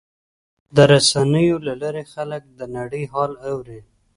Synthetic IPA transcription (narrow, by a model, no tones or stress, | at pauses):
d̪əɾasanəjolalaɾexalək̚d̪ənaɽəjɦɑlawɾi